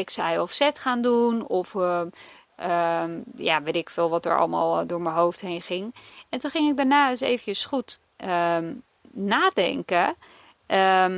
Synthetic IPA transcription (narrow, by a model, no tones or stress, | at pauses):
ɪksɛjɔfsɛtxaːndunɔf | əja̰ʋetɪkfɪːlˠʋɔtə̰ɹɔ̰lˠma̰ːlˠdʊːɹməɦowftɦejnχɪŋɛntuχɪŋɪk̚daɹnaːɪsḛːvənjəsχut | ə | naːdɛ̰ŋkə | ə